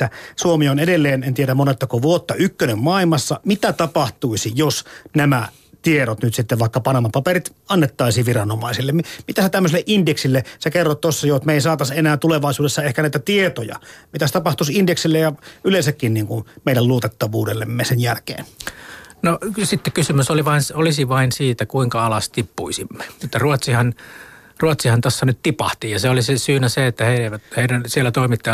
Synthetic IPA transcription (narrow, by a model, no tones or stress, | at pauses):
æsuomionedelːeːnent̪ieɾæmonet̪ːɑkoʋuot̪ːɑykːønemmɑˑilmɑsːɑmit̪æt̪ɑpɑht̪uisijosnæmæ | t̪ieɾot̪nyt̪sit̪ːeʋʋɑˑikːɑpɑnɑmɑpɑperit̪ɑnːet̪ːɑˑisiːʋʋirɑnomɑ̰ˑisilːemmmit̪æset̪æmːøselːeʔindeksilːesekerːot̪t̪osːɑjot̪meˑisɑːt̪ɑsenæːt̪uleʋɑˑisuːdesːɑehkænæˑit̪æt̪iet̪ojɑ̰mit̪æse̥t̪ɑpɑht̪usindeksilːejjɑylensækːinniːŋkunmeˑiɾælluot̪et̪ːɑʋuːdelːemːesenjælkḛːn | nosit̪ːekysymysoliʋɑinsolisiʋɑinsiːt̪ækuiŋkɑɑlɑst̪ipːṵisimːe̥et̪ːæruot̪sihɑn | ruot̪sihɑnt̪osːɑnyt̪t̪ipɑ̰ht̪ijɑseolisesyːnæseet̪ːæheieʋæt̪heˑiɾænsielːæt̪oˑimit̪ːɑ